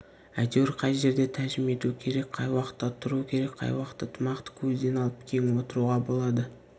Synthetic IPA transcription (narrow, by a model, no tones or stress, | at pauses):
æjt̪ewɾqʰɑjʒe̞ɾd̪e̞t̪ʰæʒɪme̞t̪uəkʲʰe̞ɾe̞k̚qʰɑjwɑqə̥t̪ːɑt̪ʰʊɾuəkʲʰe̞ɾe̞kqʰɑ̰jwɑqə̥t̪ːət̪ʰəmɑqt̪ə̥kʲʰɵzd̪e̞nɑlˠəp̚kʲʰeŋwo̞t̪əɾuʁɑbo̞lˠɑd̪ə